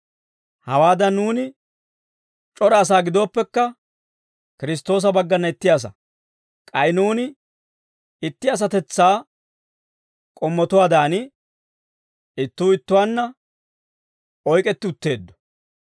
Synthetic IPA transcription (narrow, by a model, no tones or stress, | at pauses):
hɐwaːd̪ɐnːuːnɪ | t͡ʃʼɔɾɛɐs̬aːɡɪd̪o̞ːpːɛkːɐ | kɪɾɪs̬t̪o̞ːs̬ɐbɐɡːɐnːɐɪt̪ːɪjaːs̬ɐ̰ | kʼɐjnuːnɪ | ɪt̪ːɪɐs̬ɐt̪ɛt͡sːaː | kʼɔmːɔt̪ʊwaːd̪aːnɪ | ɪt̪ːuːɪt̪ːʊwaːnːɐ | ɔjkʼɛt̪ːɪʊt̪ːe̞ːd̪ːɔ̥